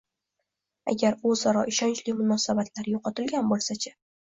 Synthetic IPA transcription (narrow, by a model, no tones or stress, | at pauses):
a̰ɡʲaɾozaɾɒʔɪʃɒnt͡ʃlimʊnɒsabat̪ʰlaɾjoqʰɒt̪ɪlɡʲanbolˠsat͡ʃʰḁ